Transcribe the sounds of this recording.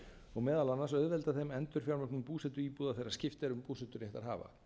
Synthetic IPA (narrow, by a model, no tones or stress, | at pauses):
ɔɣmɛːðalanːasœðvɛlt̪aθejmɛnt̪ʏɾ̥fjawɾmœhknʏmpuːsɛt̪ʏiːpuːðaθejɾːaɾ̥scɪft̪ɛɾʏmpuːsɛt̪ʏɾjɛht̪aɾ̥ɦa̰ːva̰